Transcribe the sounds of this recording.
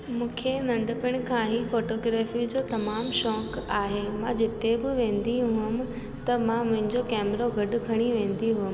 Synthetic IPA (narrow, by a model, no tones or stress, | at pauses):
mũːkʰenɐ̃ɳɖəpɪɽ̃kʰãːɦifoːʈoːɡɾɛːfid͡ʑoːt̪ɐmaːmʃɔːkaːɦemãd͡ʑɪt̪ebɪʋẽːnd̪iɦʊɪm | t̪ɐmãmʊ̃ɦɪ̃ɲd͡ʑokɛːmɾoɡʱɐɖʊ̆kʰɐɽ̃iʋẽːn̆d̪iɦʊɦəm